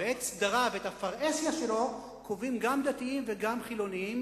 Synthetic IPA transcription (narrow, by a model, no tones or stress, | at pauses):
eet̪sd̪aʁavethafaʁesjaʃe̞lo̞ | kʰovimɡamd̪at̪iimve̞ɡamχilo̞niim